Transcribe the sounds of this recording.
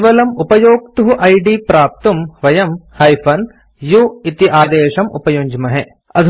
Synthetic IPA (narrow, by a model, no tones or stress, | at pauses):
ʋɐlɐmupɐjoːk̚t̪uɦuʔɐjɖipɾaːp̚t̪umʋɐjɐmhɐjfʰɐn | juit̪iʔaːd̪eːʃɐmʔṵpɐjoːɲd͡ʒmɐɦɛ | ɐd̪ʱ